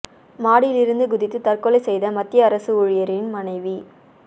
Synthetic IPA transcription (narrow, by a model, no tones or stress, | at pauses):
maːɽɪlɪɾɯnd̪ɯɡʊðɪt̪ːɯt̪ɐrkɔlɐɪsɛjðɐmɐt̪ːɪjɐːɾɐsɯʊɻɪjɐɾɪnmɐnɐɪʋi